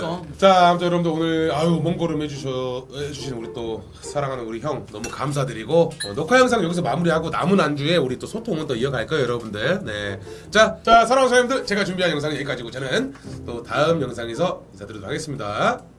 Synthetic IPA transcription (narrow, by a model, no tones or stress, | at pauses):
t͡ɕamt͈ojʌɾʌbɯndoonɯɭajumʌŋɡʌɾɯɭmed͡ʑuɕʰʌed͡ʑuɕʰinnuɾit͈o | sʰaɾaŋɦanɯnuɾiçjʌŋnʌmukams̬ʰadɯɾiɡoʌ̰nʌkʰajʌŋsʰaŋjʌɡis̬ʰʌmamuɾiɦaɡona̰munand͡ʑue̞uɾit͈osʰotʰoŋɯnt͈oiʌɡaɭk͈ajojʌɾʌbundɯne̞t͡ɕat͡ɕasʰaɾaŋsʰajimdɯɭt͡ɕe̞ɡat͡ɕumbiɦanjʌŋsʰaŋinjeik͈ad͡ʑiɡot͡ɕenɯnt͈otaɯmjʌŋsʰaŋesʰʌinsʰadɯɾidoɾohaɡes͈ɯmɲida